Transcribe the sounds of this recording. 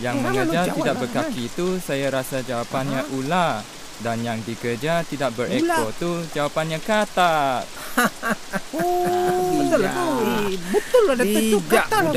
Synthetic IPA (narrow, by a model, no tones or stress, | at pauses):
jaŋməŋŋəd͡ʒat̪idakbərkakkit̪usajaɾasad͡ʒawapanɲaʔula | danjaŋdikərd͡ʒat̪idaʔ̚bəɾʔɛkɔt̪ud͡ʒawapanɲãkat̪at̪̚ | ət̪ | bət̪ʊladat̪əukaa